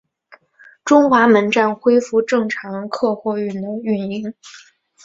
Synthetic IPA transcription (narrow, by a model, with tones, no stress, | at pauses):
ʈ͡ʂʊ˥ŋxwa˧˥mə˧˥nʈ͡ʂa˥˩nxwe˥ɪfu˥˧ʈ͡ʂɤ˥˩ŋʈ͡ʂʰɑ˧˥ŋkʰɤ˥˧xwɔ˥˧y˥˩nd̪ə˧y˥˩ni˥˩ŋ